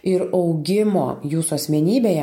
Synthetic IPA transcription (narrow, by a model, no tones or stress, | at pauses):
ɪɾɒʊɡʲɪmo̰ːjuːsʊɐsʲmʲɛnʲiːbʲeːjɛ